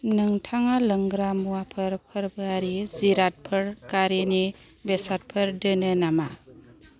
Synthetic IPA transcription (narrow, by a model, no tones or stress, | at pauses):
nɯŋtʰaŋalɐŋɡɾamuwapʰɯɾpʰəɾbaɾiziɾat̚pʰɯɾkaɾini | besat̚pʰəɾdɯnɯnama